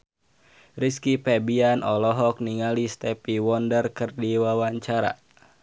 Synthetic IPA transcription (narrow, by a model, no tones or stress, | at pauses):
riskipɛbianʔɔlɔɦɔk̚niŋalist̪ɛpiwɔndərkɨrdiwawaɲt͡ʃaɾa̰